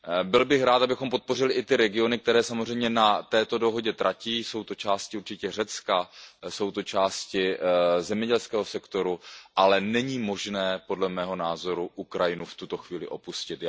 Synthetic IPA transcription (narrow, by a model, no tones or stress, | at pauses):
bɪlbɪxɾaːt̪ʔabɪxompo̞t̪̚po̞rɪlɪʔɪt̪ɪɾɛɡɪo̞nɪk̚t̪ɛɾɛːsamozr̝ɛjmɲɛnat̪ɛːt̪o̞do̞ɦo̞ɟɛt̪ɾʔaciːso̞wt̪ot͡ʃaːscɪuɾt͡ʃɪcɛrɛt͡skaso̞wt̪ot͡ʃaːscɪzɛmɲɛɟɛlskɛːɦo̞sɛkt̪oɾuʔalɛnɛɲiːmo̞ʒnɛːpo̞dlɛmɛːɦo̞naːzo̞ɾuʔukɾajɪnuft̪ut̪o̞xviːlɪʔo̞puscɪt̪